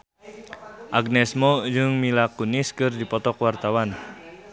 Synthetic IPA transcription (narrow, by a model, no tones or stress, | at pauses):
ʔaɡnɛsmod͡ʒɨŋmilakuniskɨrdipɔt̪ɔkwart̪awan